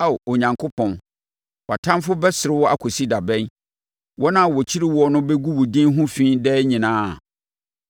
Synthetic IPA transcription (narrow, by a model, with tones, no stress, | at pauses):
a˦˨wɔ˨ɲã˨ŋkʰʊ˦pʰɔ̃˨n | wa˨tʰã˦mfʊ˦bɛ˦sɪ˨ɾɪ˦wɔ˦ʔa˦kʰɔ˨si˦da˨bɛ̃˦n | wʔɔ˦nã˦˨wɔ˨t͡ɕʰi˦ɾi˦wɔ˦ɔ˦nʊ̃˦bɛ˦ɡu˦wʊ˨dĩ˦nɦʊ̃˦fĩ˦dɛː˦ɲĩ˨nãː˦˨